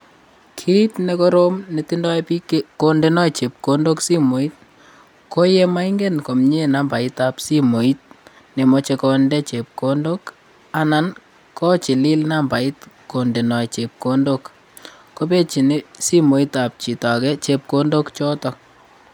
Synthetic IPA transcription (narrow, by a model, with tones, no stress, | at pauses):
kʰi˦i˦tne˦ko˦ɾo˦mneti˦ndɔ˦ɛpi˦ke˦ko˦nde˦nɔ˦˨t͡ʃe˨p̚ko˦ndo˦ksi˦mo˨i˦t̚ | ko˦je˦ma˦iŋɡe˦nko˨mɲe˦na˦mba˨ita˨psi˦mo˨i˦t̚ | ne˨mɔ˨˦t͡ʃe˧kɔ˨ndɛ˦t͡ʃe˨p̚ko˦ndo˦k | a˨na˨n | kɔ˦t͡ʃi˨li˦lna˦mba˨i˦tko˨nde˨nɔ˨jt͡ʃe˨p̚ko˦ndo˦k | ko˦pe˦t͡ʃi˨ni˦si˦mo˨i˦ta˨p̚t͡ʃi˨tɔ˨kɛ˦t͡ʃe˨p̚ko˦ndo˦kt͡ʃɔ˦tɔ˨k